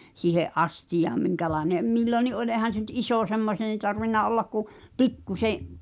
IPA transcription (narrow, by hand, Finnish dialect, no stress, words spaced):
siːheʔ ʔɑstijɑːm miŋkælɑeneʔ milːoni ʔolʲ ʔeːhæn̞ se ny̆t isoˑ semːoseːn̞ tɑrʋinːɑ olːɑk ku pikːuseʔ